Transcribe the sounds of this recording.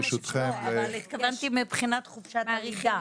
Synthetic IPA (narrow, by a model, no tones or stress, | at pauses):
ʃut̪χemvevant̪imipχinat̪χufʃat̪aʁiɡa